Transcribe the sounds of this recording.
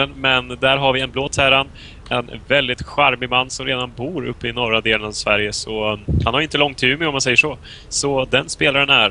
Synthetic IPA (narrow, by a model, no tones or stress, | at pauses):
ənmɛnd̪æɾɦaɾvɪɛnbloːt̪ʰæːɾan | ʔɛnvɛld̪ɪt̪ɧaɾmɪɡmanːsɔmɾeːd̪anbuːɾɵ̰pːəɪnɔɾad̪eːlənavsvæɾjəsɔhanhaɾjɪnt̪əlɔŋt̪ʰːʉ̟mɛɔmːansɛjːəʂɔ | sɔd̪ɛnspeːlaɾənæɾ